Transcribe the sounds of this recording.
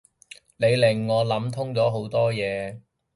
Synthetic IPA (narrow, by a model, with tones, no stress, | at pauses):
ne˨˧jlɪ˨˩ŋːɔː˨˧lɐ˨˥mt̪ʰʊ˥ŋt͡sɔː˨˥ɦo˨˥wt̪ɔː˥jɛː˨˧